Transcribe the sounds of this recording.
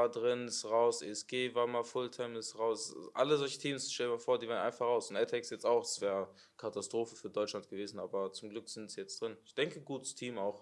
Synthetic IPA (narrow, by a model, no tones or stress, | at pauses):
aːdʁɪnɪsʁaʊsʔḛɛsɡ̥eːvaːɐmaːfʊltʰɛmɪsʁaʊsʔa̰ləzɔlçə̥tʰiːmsʃtɛlmaːfoːɐdiːvaːʁəna̰ɪnfaχʁaʊsʊntɛtʰɛksjɛt͡staʊxd̥sv̥ɛːʁə | kʰatastʁ̥oːfəfyːɐdɔʏt͡ʃlant̚ɡ̥əveːzn̩aːbɐt͡sʊmɡlʏkz̥ɪntz̥iːjɛt͡std̥ʁɪnɪçd̥ɛŋkəɡuːtə̥stʰiːmaʊx